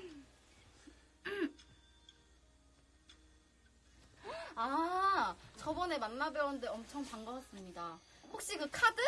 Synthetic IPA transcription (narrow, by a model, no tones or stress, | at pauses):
a | t͡ɕʌbʌne̞manːabjʌwʌndeʌmt͡ɕʰʌŋpaŋɡʌwas͈ɯmɲidaɸok̚ɕ͈ikɯkʰadɯ